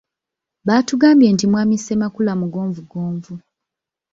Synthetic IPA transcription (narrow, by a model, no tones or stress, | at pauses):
βaːtuɡaːmbje̞ːntimwaːmisemakulamuɡo̞ːɱvuɡoːɱvu